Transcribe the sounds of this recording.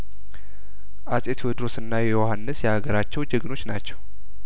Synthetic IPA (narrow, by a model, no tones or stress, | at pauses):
ʔasʼe̞t̪ʰwɛd̪ɾo̞sɨnːajɛjohanːɨsjɛhaɡəɾat͡ʃːɛwd͡ʒɛɡno̞t͡ʃːnat͡ʃːɛw